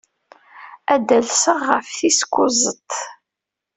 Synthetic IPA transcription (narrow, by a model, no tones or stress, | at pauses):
æd̪ælsəʁːəfθiskʷːʊzˤət̪